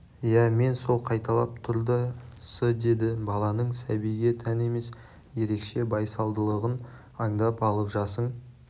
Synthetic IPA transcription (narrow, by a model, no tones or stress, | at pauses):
jæme̞nso̞lˠqʰɑjt̪ɑlˠɑ̰p̚t̪ʰʊɾd̪əsəd̪e̞d̪ɪbɑlˠɑnəɴsæbijɡʲe̞t̪ʰæne̞me̞s | je̞ɾe̞kʃe̞bɑjsɑlˠd̪əlˠəʁən | ɑɴd̪ɑpɑlˠəpʒɑsəɴ